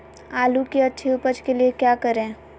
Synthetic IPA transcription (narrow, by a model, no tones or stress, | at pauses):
aːlukiɐtːʃʰiʊpəd͡ʒkeliekjaːkəɾẽː